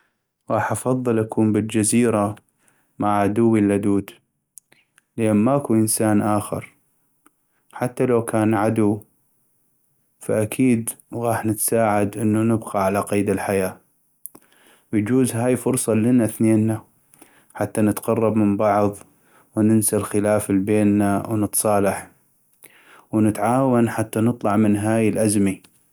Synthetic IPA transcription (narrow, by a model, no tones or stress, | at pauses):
ɣɑːħʔɑfɑðˤːɨlʔakʰuːmbɪld͡ʒaziːɾa | maʕʕad̪ʊwːilʔad̪uːd̪ | laːnmaʔkuʔənsaːnʔaːxɪ̰ɾ | ħat̪ːalawkaːnʕad̪uw | faʔakʰiːd̪ɣɑːħnɪt̪saːʕad̪ʔɪnːunɪbqɑʕalaqiːd̪ɪlħajaː | wjd͡ʒuːzɦaːjfʊɾsˤɑlɪnaθneːnːa | ħat̪ːanɪt̪qɑrˤːɑbmɪmbɑʕðˤ | wnɪnsalxɪlaːfɪlbeːnːawnɨt̪sˤɑːlɑħ | wnɪt̪ʕaːwanħat̪ːanɨt̪ˤlɑʕmɪnɦaːjɪlʔazmi